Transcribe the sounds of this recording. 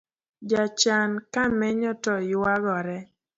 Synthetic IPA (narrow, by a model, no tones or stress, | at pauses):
d͡ʒat͡ʃankamɛɲɔtɔjwaɡɔɾɛ